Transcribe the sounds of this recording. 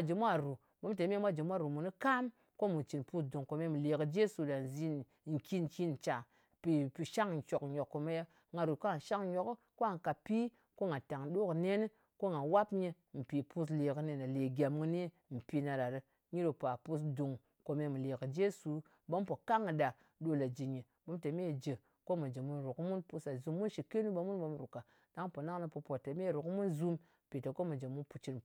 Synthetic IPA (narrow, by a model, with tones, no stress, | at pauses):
a˨d͡ʒi˨mʷa˦ɾu˨ | bo˦mt̬e˨˦me˦mʷa˦d͡ʒi˨mʷ˦a˦˨ɾu˨mu˨nɨ˦ka˦m | ko˦mu˨t͡ʃi˨npu˦sdu˨ŋko˨me˧˦mɨ˨le˨kɨ˨d͡ʒe˦su˨da˨n˨zi˦n˨ | ŋ̩˨ki˦n˨ki˦n˨t͡ʃa˨ | pi˨pi˨ʃa˦ŋ˨n̩˨t͡ʃo˨kɲo˨kːo˨me˦ja˦ | ŋa˨ɾu˨ka˦˨ʃa˦ŋɲo˨k | ko˦a˨ŋ˨ka˨pi˦ | ko˦ŋa˨ta˨ŋɗo˦kne˦n˦ | ko˦ŋa˨wa˦pɲe˧ | m̩˨pi˨pu˦s̬le˨kɨ˦ne˨na˨le˨ɡʲa˨mŋɨ˦ni˦ | m̩˨pi˧na˨da˨ɾɨ˦ | ɲi˦ɾo˨pa˨pu˦s̬du˨ŋ | ko˨me˧mu˨le˨kɨ˨d͡ʒe˦su˨ | bo˦m˦po˨ka˦ŋɨ˨da˨ | ɗo˦la˨d͡ʒi˨ɲe˨ | ɓo˨˦mte˨me˦˨d͡ʒe˨ | ko˦mo˨d͡ʒe˨mu˦nɾu˨kmu˦npu˦sa˨zu˨mːu˦nʃi˨ke˦nu˦bo˨mu˦nɓo˦m˨ɾu˨ka˨ | da˨˦ŋ˦po˨na˦ŋnɨ˧pu˧po˨te˨me˦˨ɾu˨kmu˦nzu˦m˨ | pi˨te˨ko˦mo˨d͡ʒe˨mu˦npu˨t͡ʃi˦n